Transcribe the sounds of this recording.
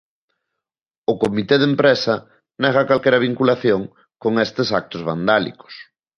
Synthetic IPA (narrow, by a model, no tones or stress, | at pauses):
ʊkomit̪eðempɾesɐ | nɛɣ̞ɐkalkeɾɐβ̞iŋkulaθjoŋ | koŋest̪esak̚t̪ʊzβa̰nd̪alḭko̥s